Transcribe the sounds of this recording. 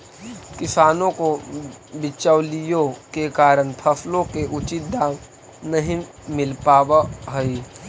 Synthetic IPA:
kɪsaːnõkobɪt͡ʃəwlijokekaːɾənpʰəpʰlõkeʔʊt͡ʃit̪̚d̪aːm | nəɦĩ | mɪlpaːbaɦəi

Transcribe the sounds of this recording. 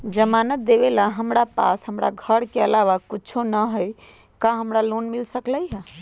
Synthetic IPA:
d͡ʒəmanət̪̚d̪eβelaɦəmɾapa̰sɦəmɾa̰ɡʱəɾkeəlaʋakut͡ʃʰonəɦəj | kaɦəmɾalonmilsəkləjɦɛ̃

